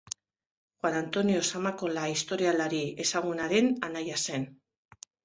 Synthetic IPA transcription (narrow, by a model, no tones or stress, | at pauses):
xwanant̪o̞nio̞samako̞laist̪o̞ɾialaɾie̞saɣ̞unaɾe̞nanajase̞n